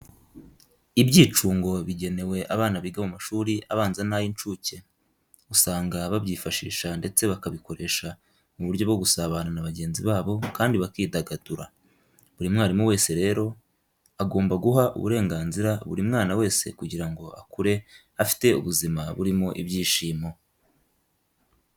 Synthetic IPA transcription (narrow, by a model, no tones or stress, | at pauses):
ibɟiːt͡ʃuːŋɡo̞βiɟe̞ne̞we̞ʔaβaːnaβiːɡamumaʃuːɾiaβaːnzanajint͡ʃuːce̞ | usaːŋɡaβabɟiːfaʃḭːʃande̞t͡se̞βakaβiko̞ɾe̞ːʃa | muβuɾɟjo̞bɡo̞ɡusaβananaβaɟe̞ːnziβaːβo̞kaːndiβakiːdaɡaduɾa | βuɾimŋaːɾimuwe̞ːse̞ɾe̞ːɾo̞ | aɡo̞ːmbaɡuɦaʔṵβṵɾe̞ːŋɡaːnziɾaβṵɾimŋaːnawe̞ːse̞̰kuɟiɾaŋɡo̞ʔa̰kuɾe̞ | afi̥te̞ṵβuzimaβuɾimo̞ʔiβɟiːʃiːmo